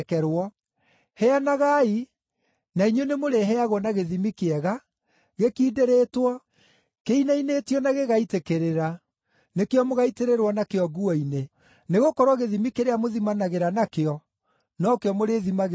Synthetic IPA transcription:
kɛɾwɔ | hɛanaɣai | naiɲonemoɾeɦɛaɣwɔnaɣeðimikeɛɣa | ɣekiːdeɾetwɔ | keinaineːtiɔnaɣeɣaitekeɾeɾa | nekeɔmoɣaiteɾeɾwɔnakeɔɡuɔine | neɣokɔɾwɔɣeðimikeɾeamoðimanaɣeɾanakeɔ | nɔkeɔmoɾeðimaɣ

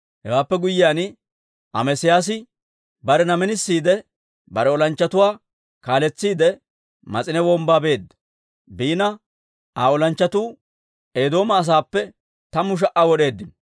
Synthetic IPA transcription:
hɛ̰waːpːɛɡʊjːɪjaːnɪ | ʔɐ̰mɛsɪjaːs̬ɪ | bɐɾɛnɐmɛnɪsːiːd̪ɛ | bɐɾɛɔlɐnt͡ʃːɐt̪ʊwaː | kaːlɛt͡sːiːd̪ɛ | mɐ̰t͡sʼɪnɛwɔːmbaːbe̞ːd̪ːɐ | biːnɐ | ʔaːɔlɐnt͡ʃːɐt̪uː | e̞ːd̪o̞ːmɐːs̬aːpːɛ | t̪ɐmʊʃ̬ɐʔawɔɗe̞ːd̪ːɪn

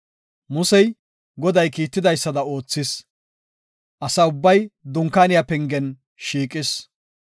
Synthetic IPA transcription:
mʊsɛj | ɡɔd̪ɐjkiːt̪ːɪd̪ɐjsːɐd̪ɐo̞ːt͡sːɪs | ʔɐsɐʊbːɐjd̪ʊŋkːaːnɪjapɛŋɡɛn | ʃiːkʼɪs

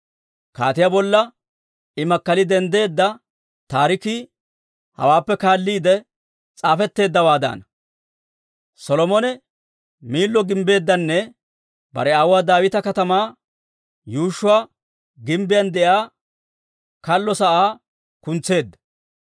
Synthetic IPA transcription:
ka̰ːt̪ɪjabɔlːɐ | ɪmɐkːɐlɪd̪ɛnd̪e̞ːd̪ːɐ | t̪aːɾɪki | hɐ̰waːpːɛkaːlːiːd̪ɛ | t͡sʼaːfɛt̪ːe̞ːd̪ːɐwaːd̪a̰ːnɐ | sɔlɔmɔnɛ | miːlːɔɡɪmbe̞ːd̪ːɐnːɛ | bɐ̰ɾɛawʊwaːd̪aːwɪt̪ɐkɐt̪ɐmaː | juːʃːʊwaː | ɡɪmbɪjɐnd̪ɛʔaː | kɐlːɔsɐʔaː | kʊnt͡sːe̞ːd̪ːɐ̥

